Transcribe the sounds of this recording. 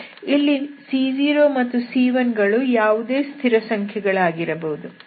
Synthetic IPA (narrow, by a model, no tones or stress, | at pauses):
ilːisiːd͡ʒiːɾoːmɐt̪ːusiːʋɐnɡɐɭujaːʋud̪e̞ːst̪ʰiɾɐsɐŋkʰjɛɡɐɭaːɡiɾɐbɐɦud̪u